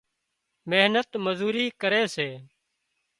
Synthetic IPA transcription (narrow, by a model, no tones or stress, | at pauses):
meɦnət̪məzuːɾiːkəɾeːseː